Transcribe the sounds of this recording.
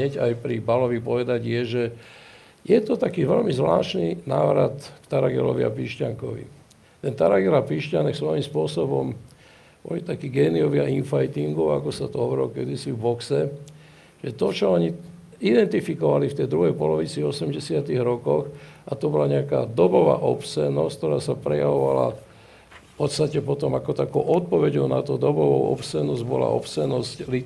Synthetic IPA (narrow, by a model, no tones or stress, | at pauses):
ɲɛɟajpɾibalɔʋipɔʋɛd̪aɟjɛʒɛ | jɛt̪ɔt̪akiːʋɛlmizʋla̰ːʃninaːʋɾat̪kt̪aɾaɡɛ̰lɔ̰ʋḭa̰piːʃcaŋkɔʋḭ | t̪ɛnt̪aɾaɡɛlapiːʃcanɛksʋɔʋimspʊɔsɔbɔm | b̥ɔ̰lit̪akiɡɛːniɔʋɪaʔinfajt̪iŋɡɔʊakɔsat̪ɔɦɔʋɛɾɛlɔkɛd̪isivbɔksɛ | ʒ̥ɛt̪ɔt͡ʃɔɔɲi | id̪ɛnt̪ifikɔʋalift̪ɛjd̪ɾuɦɛjpɔlɔʋit͡siɔsɛmɟɛsɪat̪iɣɾɔkɔxʔat̪ɔbɔlaɲɛaka̰ːd̪ɔbɔʋa̰ːʔɔpsɛnɔsckt̪ɔɾaːsapɾɛja̰ʋɔʋa̰la̰ | fpɔt̪st̪acɛpɔt̪ɔmakɔt̪akɔʊʔɔt̪̚pɔʋɛɟɔʊna̰t̪ɔd̪ɔbɔʋɔʊɔ̰psɛnːɔzɟbɔla̰ʔɔ̰psɛnɔscli